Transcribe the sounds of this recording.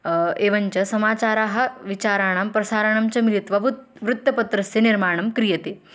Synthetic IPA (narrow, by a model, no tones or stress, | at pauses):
eːʋɐɲt͡ʃɐsɐmaːt͡ʃaːɾaːɦɐ̆ʋit͡ʃaːɾaɳ̃aːmpɾɐsaːɾɐɳɐmt͡ʃɐmiɾit̪ʋɐʋut̪ʋɾut̪jɐpɐt̪ɾɐsjɐniɾmaːɳɐmkɾijɐt̪eː